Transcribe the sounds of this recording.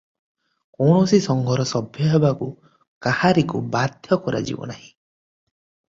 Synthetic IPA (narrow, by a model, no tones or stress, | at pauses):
kɔwɳɔsisɔŋɡʱɔɾɔsɔbʱjɔɦebaku | kahaɾikubad̪ʱjɔkɔɾa̰d͡ʒḭbɔ̰naɦĩ